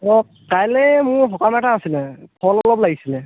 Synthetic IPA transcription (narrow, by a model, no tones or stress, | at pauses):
ɔ | kajlɛmʊɦɔkamɛtaasinapʰɔlɔlɔplaɡisilɛ